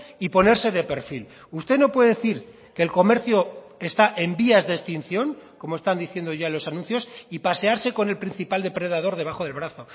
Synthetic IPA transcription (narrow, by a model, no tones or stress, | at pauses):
ipo̞ne̞ɾse̞ðe̞pe̞ɾfil | ust̪e̞no̞pwe̞ðe̞eθiɾ | ke̞ːlko̞me̞ɾθjo̞ | est̪aʔe̞mbiazðest̪in̟θjo̞ŋko̞moe̞st̪and̪iθje̞nd̪o̞ʝalo̞sanũnθjo̞sipase̞aɾse̞ko̞ne̞lpɾin̟θipald̪e̞pɾe̞ðað̞o̞ɾðe̞β̞aχo̞ðe̞lβɾaθo̞